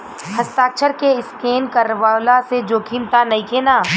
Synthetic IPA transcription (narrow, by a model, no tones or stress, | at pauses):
həst̪aːkt͡ʃʰəɾkeɪskeːnkəɾʋaːwlased͡ʒoːkʰiːnt̪anɐĩkʰeːnaː